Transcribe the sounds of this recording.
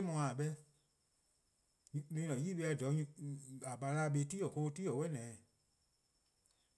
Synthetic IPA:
e˦mɔ̃˧a˨ɓɛ˧˦ | ẽ˧˦nɔ̃˨jiː˦ɓe˧a˧˨dɔ˨˦˧a˨ɓa˨la˦˨ɓe˧˦tiː˦ɔ˨ko˧tiː˦ɔ˨wɛ˦nɛ̃ː˨

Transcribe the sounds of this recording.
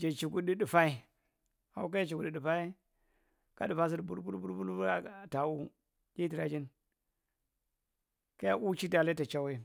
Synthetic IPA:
d͡ʒa˨t͡ʃi˨ɡu˦ɗi˦ɗu˨fa˦i˦ | a˨wk̬a˦d͡ʒa˦t͡ʃi˨ku˨di˨ɗi˨fa˦i˦ | ka̰˦du˨fa˦s̬i˦dbu˦ɾbu˦ɾbu˦ɾbu˦lbu˦a˦˨ta˨u˦ | kʲi˦ti˨ɾa˨d͡ʒi˦n | ka˦ja˦ʔu˦t͡ʃi˦da˨le˦ta˨t͡ʃa˦we˦˨

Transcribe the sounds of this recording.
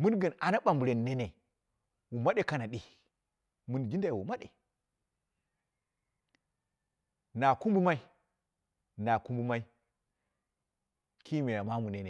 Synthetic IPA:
mu˦nɡə˨na˨na˦ɓa˨mbu˨ɾe˨nː˨e˦ne˨ | wu˨ma˦ɗe˦ka˦na˨ɗi˨ | mu˦n˨d͡ʒi˦nda˨jwu˨ma˦ɗḛ˨ | na˨ku˦mbu˦ma˦i˦ | na˨ku˦mbu˦ma˦i˦ | ki˦me˨ja˨ma˦mu˨ne˦ne˨

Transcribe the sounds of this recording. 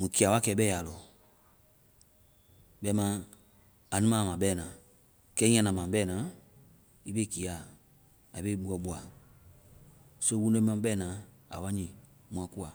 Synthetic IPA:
mũ˨ki˨a˨wa˦kɛ˨bɛː˦˨ja˨lɔ˨ | bɛ˧˦mã˨˦ | a˨nũ˦mã˦˨mã˨bɛː˦˨nã˨ | kɛ˦i˦ɲã˦nã˨mã˨bɛ˦˨nã˨˦ | i˦be˦˨ki˨a˨ | a˨i˨be˦i˦ɓu˦ɔ˨ɓu˨a˨ | so˦wũ˦n˦ɛ̃˦m˦ã˦bɛ˦˨nã˨˦a̰˨wa˦ɲĩ˨ | mũ˨ã˨ku˦a˨

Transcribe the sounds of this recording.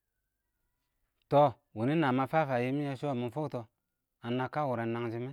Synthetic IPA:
to˨ | wu˨ni˦na˨ma˨fa˦fa˨ji˦mi˦ja˦ʃo˦˨mi˨fo˦to˨ | a˨na˨kːa˦wu˨ɾe˨na˨ŋd͡ʒi˦me˦

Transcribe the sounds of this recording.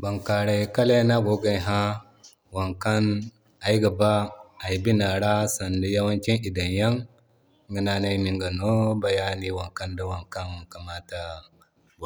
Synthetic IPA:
ba˨ŋka˨ɾa˨ka˦le˦na˦ɡo˨˦ɡa˨ɦa˦ | wa˨ŋka˦n | a˨ji˦ɡa˨ba˦a˨ji˨bi˦na˨ɾa˦sa˨ndə˦ja˦wa˦nki˦nʔi˨da˨nja˦ŋ | ɡə˨na˨na˦i˦mi˨ŋɡa˨no˦ba˨ja˦ni˦wa˨ŋka˦nda˦wa˨ŋka˦n˨ka˨ma˦ta˦ | bo˨

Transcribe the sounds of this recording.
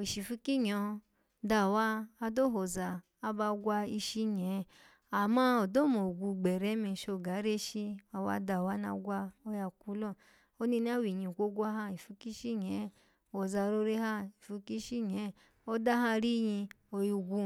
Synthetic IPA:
i˨ʃi˨fu˧˦ki˦ɲɔ˨˧ | da˧˨waː˦˧do˦ɦo˨zaː˧ | ba˧ɡʷa˧i˧ʃi˦ɲɛ˨˦ | a˨mã˦o˨do˦mo˨ɡʷu˧ɡ͡bɛ˨ɾɛ˨˦mi˧˨ʃo˧˨ɡa˨˦ɾe˦ʃi˧a˧wa̰˧da˧˨wa˦na̰˧ɡʷa˧o˧ja˧ku˧˦lɔ˦˨ | o˦ni˧n˦a˦wi˨ɲĩ˨ɡʷo˦ɡʷa˦ɦã˦i˨fu˧ki˦ʃi˦ɲɛ˨˦˨ | ho˨za˧ɾo˧ɾe˦ha˦˨i˨fu˧ki˦ʃi˦ɲ˨ɛ˨˦ | o˦da˦ɦã˦˧ɾi˦jĩ˧ | o˧ju˧ɡʷu˧

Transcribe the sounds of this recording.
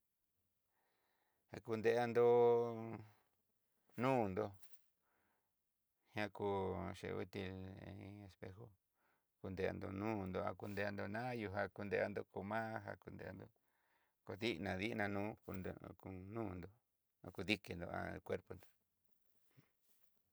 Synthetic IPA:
ha˧ku˧nd̪e˧a˧nd̪o˧ | nũː˦nd̪o˧ | hã˦ku˧ʃḛ˧˨˧ṵ˦t̪i˧le˧spe˧˦xo˦ | ku˧nd̪e˧a̰˧nd̪o̰˧nũː˦nd̪o˧ã˧ku˧nd̪e˧a˧nd̪o˧nã˦ju˧ɦa˧ku˧nd̪e˧a˧nd̪o˧ko˧mãː˦ɦa̰˧ku˧nd̪ḛ˧a̰˧nd̪o˧ | ko˧ði˦ʔnã˨˧ði˦˧nã˧nũː˦˧ku˧nũː˦nd̪o˨ | a̰˧ku˧ði˦ke˧nd̪o̰˧a̰˧kwe˦ɾpo˧nd̪o̥˨

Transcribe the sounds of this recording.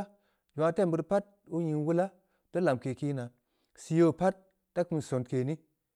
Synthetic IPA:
d͡ʒu˨a˧te˦˨bɨ˨˧ɾpa˦t̚ | u˦ɲi˧ŋwu˦la˦ | d̥o˦la˨mke˨ki˦na˨ | si˧˦jo˦˨pa˦t̚ː | a˦ku˦n˨so˨ntke˨ni˦

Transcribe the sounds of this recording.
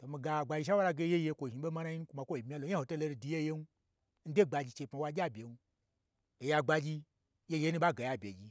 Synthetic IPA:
to˨mi˧ɡa˧˨ɡ͡ba˨˧d͡ʒi˧ʃ̬a˦wa˦ɾa˧ɡe˧˦je˦je˧kʷo˨ʒi˨ɓo˦ma˦na˦ji˦n˦kʷu˧ma˧˨kʷo˦i˨mʲi˦a˦lo˨˦a˦ho˨to˦lo˧ɾi˧˨di˧˦je˦je˦nu˦ | n̩˦de˦˨ɡ͡ba˨d͡ʒi˧t͡ʃe˧˨pa˨˦wa˧d͡ʒʲa˦bʲe˨nu˦ | to˨ja˧ɡ͡ba˧d͡ʒi˧ | je˦je˦nu˦ɓa˦ɡa˨ja˧bʲe˨d͡ʒi˧

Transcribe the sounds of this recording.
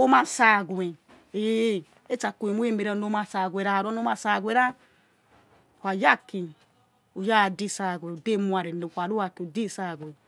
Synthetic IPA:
o˦ma˧sa˧˨ɡu˨e˨ | e˨˦ | e˦t͡ʃa˧ku˧˨e˨mu˦e˦me˧ɾa˧no˧ma˧sa˧˨ɡʷe˨˧ɾa˧˨ɾo˦no˧˦ma˧sa˧˨ɡʷe˨ɾa˦˨ | hʷa˨ja˦ki˧ | u˨ja˦˨di˧sa˧˨ɡʷẽ˨u˨de˦mu˧a˨ɾe˨ne˨hʷa˨ɾu˦wa˧ki˧u˨di˦˨sa˧˨ɡwe˨

